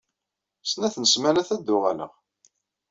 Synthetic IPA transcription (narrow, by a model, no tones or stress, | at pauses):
snæθənəsmænæθæd̪ːʊʁælə̰ʁ